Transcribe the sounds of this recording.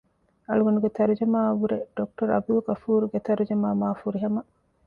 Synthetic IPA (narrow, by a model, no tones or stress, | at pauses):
ɐluɡɐnuɡet̪ɐɾud͡ʒɐmaːʋuɾeɖ̥ok̚ʈɐɾɐ̰b̪ulɡɐfuːɾuɡet̪ɐɾud͡ʒɐmaːmaːfuɾiɦɐmɐ